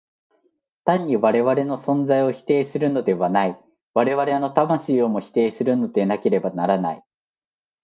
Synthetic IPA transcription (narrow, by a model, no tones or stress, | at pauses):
t̪ãɲ̟ːiβaɾe̞βaɾe̞no̞sõ̞nd͡zaio̞çi̥t̪e̞ːsɨɾɯ̟no̞d̪e̞βanai | βaɾe̞βaɾe̞no̞t̪amaɕiːomo̞çi̥t̪e̞ːsɨɾɯ̟no̞d̪e̞nake̞ɾe̞banaɾana̰i